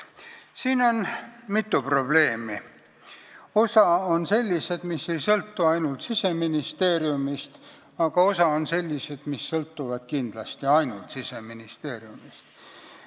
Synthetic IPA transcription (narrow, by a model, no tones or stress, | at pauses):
siːno̞nmit̪ːupro̞b̥le̞ːmi | o̞sɑonse̞lʲːise̞d̪̥misːe̞jsɤlt̪ːuɑjnult̪sise̞minist̪e̞ːɾjumist̪ | ɑɡ̥ɑo̞sɑo̞nse̞lʲːise̞d̪̥misːɤlt̪ːuvɑd̪̥kind̪̥lɑst̪iɑjnult̪sise̞minist̪e̞ːɾjumist̪